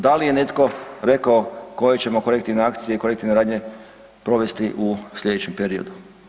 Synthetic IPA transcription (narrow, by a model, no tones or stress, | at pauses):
d̪alije̞ne̞t̪ko̞ɾe̞kaoko̞jet͡ɕe̞mo̞ko̞lek̚t̪iʋneakt̪sijeikolekt̪iʋneɾaːd̪ɲe̞ | pɾo̞ʋe̞st̪iʔuslʎʲe̞d̪et͡ɕempe̞ɾio̞̰d̪u